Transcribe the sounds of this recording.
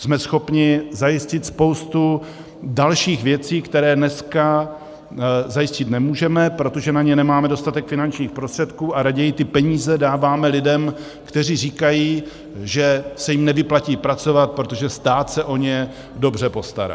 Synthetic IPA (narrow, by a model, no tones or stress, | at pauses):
smɛsxo̞pɲɪzajɪscɪt̪spo̞wst̪u | dalʃiːxvjɛt͡siːkt̪ɛɾɛːnɛska | zajɪscɪt̪nɛmuːʒɛmɛpɾo̞t̪o̞ʒɛnaɲɛnɛmaːmɛdo̞st̪at̪ɛkfɪnant͡ʃɲiːxpɾost̪r̥ɛt̪kuːʔaɾaɟɛjɪt̪ɪpɛɲiːzɛdaːvaːmɛlɪdɛm | kt̪ɛr̝iːriːkajiː | ʒɛsɛjɪmnɛvɪplaciːpɾat͡so̞vat̪̚pɾot̪oʒɛst̪aːt̪sɛʔo̞ɲɛ | do̞br̝ɛpo̞st̪a̰ɾa̰